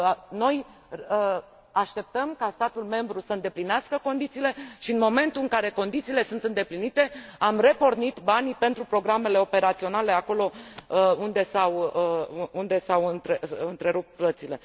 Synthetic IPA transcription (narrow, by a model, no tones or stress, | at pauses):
no̞j | aʃt̪e̞p̚t̪əmkast̪at̪ulme̞mbɾusəɨnd̪e̞plineaskəko̞nd̪it̪siːle̞ʃiɨnmo̞me̞nt̪uɨŋkaɾe̞ko̞nd̪it̪siːle̞sunt̪ɨnd̪e̞plinit̪e̞amre̞po̞rnit̪banpe̞nt̪ɾupɾo̞ɡɾame̞le̞o̞pe̞ɾat̪sio̞nale̞ako̞lo̞ | und̪e̞saw | und̪e̞sawɨnt̪ɾeɨnt̪ɾe̞ɾup̚t̪̚plət̪sile̞